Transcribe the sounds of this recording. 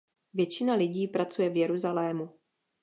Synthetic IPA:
vjɛt͡ʃɪnalɪɟiːpɾat͡sujɛvjɛɾuzalɛːmu

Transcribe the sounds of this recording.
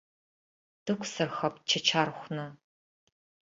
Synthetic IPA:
d̥ɨkʷʰsɐrxɐpt͡ʃʰɐt͡ʃʰaːrχʷnɐ

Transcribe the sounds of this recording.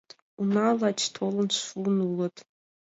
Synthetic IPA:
tʼ | unalat͡ʃʰtʰolənʃunulətʼ

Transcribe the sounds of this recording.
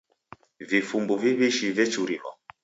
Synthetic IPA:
vifumbuviβiʃivɛt͡ʃuɾimɔ̰

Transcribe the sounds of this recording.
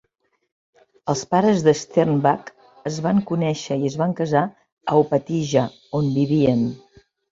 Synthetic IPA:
əlˠspaɾəzðəst̪ɛrnbak | əzβaŋkunɛʃəiəzβaŋkəza | əwpət̪iʒə | onbiβiən

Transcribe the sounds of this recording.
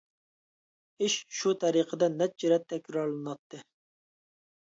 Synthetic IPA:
ɪʃʃut̪ʰɛɾiqʰəd̪ɛnɛt̪̚t͡ʃʰiɾɛt̪ʰːɛkʲɾɑɾlˠɨnɑt̪ʰːɨ

